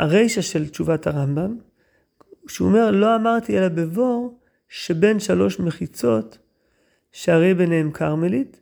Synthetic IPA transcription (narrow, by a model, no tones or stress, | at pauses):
a̰ʁe̞jʃaʃe̞lt͡ʃuvataʁambam | ʃeo̰me̞ʁlo̞amaʁt̪ielabevo̞ʁ | ʃe̞be̞nʃalo̞ʃme̞χit͡so̞t | ʃeaʁe̞jbenehemkʰaʁmelit